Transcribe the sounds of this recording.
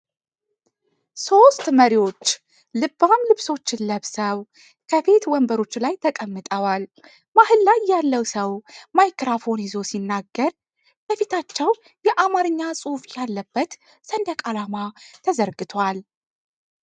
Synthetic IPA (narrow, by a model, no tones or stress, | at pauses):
so̞st̪məɾiwo̞t͡ʃː | lɨbːamlɨβso̞t͡ʃːɪnləβsəw | kʰəfe̞t̪wɔmbəɾo̞t͡ʃːlajt̪ʰəkʼəmːɨt̪ʼəwal | mahɨlːajːalːəwsəwmajkɾafo̞njɪzo̞sinːaɡːəɾ | bəfet̪ʰat͡ʃːɛw | jɛʔamaɾɨɲːasʼuhfjalːəbːət̪ | sənd̪əkʼalamat̪ʰəzəɾɡɨt̪ʰwal